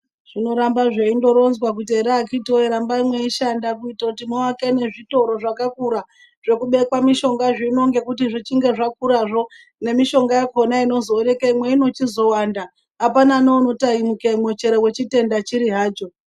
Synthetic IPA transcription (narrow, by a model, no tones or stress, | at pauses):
ʐ̥ino̞ɾambaʐeindo̞ɾo̞nzwak̬ut̬ieɾaakitoeɾambaimwe̞iʃandakuitautimoakene̞ʐito̞ɾo̞ʐakakuɾa | ʐ̥e̞kuɓe̞kwamiʃo̞ŋɡaʐiino̞ŋɡe̞kut̬iʐit͡ʃiŋɡe̞ʐak̚uɾaʐo̞ | ne̞miʃo̞ŋɡajako̞naino̞zoːɾekaimwe̞ino̞t͡ʃizo̞wandaː | pananouno̞taimukeimwe̞t͡ʃe̞ɾewe̞t͡ʃite̞ndat͡ʃiɾiɦaːd͡ʒo